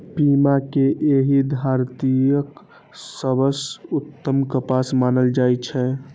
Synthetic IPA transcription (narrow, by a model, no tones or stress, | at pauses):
pimakeʔeɦid̪ʱaɾt̪ijək | səbəsut̪ːəmkəpasmanəld͡ʒajt͡ʃʰɛ